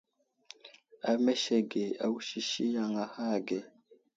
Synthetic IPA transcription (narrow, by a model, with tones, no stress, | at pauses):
a˨me˦ʃe˦ɡe˨a˨wu˦ʃi˨ʃi˦ja˨ŋa˨ha˦˨ɡe˨